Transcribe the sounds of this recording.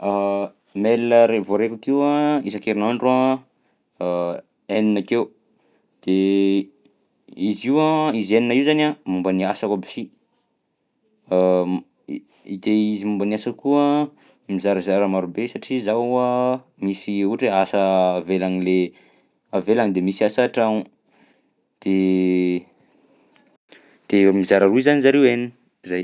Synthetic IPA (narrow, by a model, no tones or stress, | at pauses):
a | melinəɾevoɾekakewaizakeɾinaɳɖ͡ʐua | eninakew | d̪̥e | iziwaizeninaiwzanamumbəniasakabisi | id̪eizimumbəniasəkuə | mizaɾazaɾəmaɾubesaʈ͡ʂizaa | misiuʈ͡ʂeasəːvelanile | avelaŋid̪emisiasaʈ͡ʂanu | d̪̥e | d̪̥emizaɾaɾuizanizaɾewenini | zaj